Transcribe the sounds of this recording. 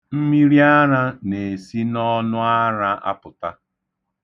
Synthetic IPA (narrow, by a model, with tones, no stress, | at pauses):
m̩˦mi˦ɾi˦a˦ɾa˦ne˨si˦nɔ˦nʊ˦a˦ɾa˦a̰˦pʊ˨ta̰˦